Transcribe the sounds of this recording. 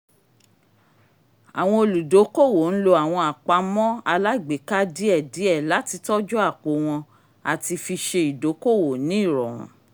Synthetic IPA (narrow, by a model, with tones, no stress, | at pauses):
a̰˨w̃ɔ̃˧o˧˨lu˨do˨˦ko˦˨wo˨n̩˦lo˧a˨w̃ɔ̃˧a˨k͡pa˧mɔ̃˦a˧la˦i˨ɡ͡be˨˦ka˦di˦ɛ˦˨di˨˦ɛ˦˨la˨˦ti˧tɔ˦d͡ʒɔ˦a˦˨k͡po˨˦w̃ɔ̃˧ | a˨ti˧fi˧ʃe˧i˨do˨˦ko˦˨wo˨nĩ˦i˦˨ɾɔ̰̃˨w̃ɔ̰̃˨˦